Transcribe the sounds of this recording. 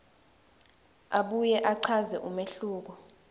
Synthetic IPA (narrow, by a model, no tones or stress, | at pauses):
aɓujɛʔaǀʰazɛʔumeɬuːk̬ɔ